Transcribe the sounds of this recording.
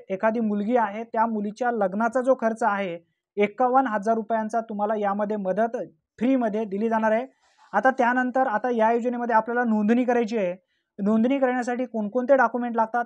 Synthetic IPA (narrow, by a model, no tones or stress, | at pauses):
ekʰad̪iːmulɡiːaɦet̪jamulit͡ɕjaləɡnat͡sad͡zokʰəɾt͡saɦe | ekːaʋənɦəd͡zaɾːupjant͡sat̪um̤alajaməd̪ʱːjeməd̪ət̪ | fɾiːməd̪ʱːjed̪iliːd͡zaɽ̃aɾe | at̪at̪janənt̪əɾat̪ajajud͡ʑəneməd̪ʱːjeapljalanond̪niːkəɾajt͡ɕiːe | nond̪niːkəɾɳjas̬aʈiːkoɳkoɳt̪eɖakumeɳʈlaɡ̚t̪at̪